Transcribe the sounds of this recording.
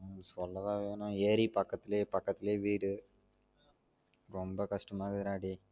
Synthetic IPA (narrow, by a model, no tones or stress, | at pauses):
sʋɔlːɐʋaːʋeːnoeːɾipɐkːɐt̪ːleːpɐkːɐt̪ːleːʋiːɖ | ɾɔmbɐkɐʂʈɐmaːɡid̪ɾaːɽi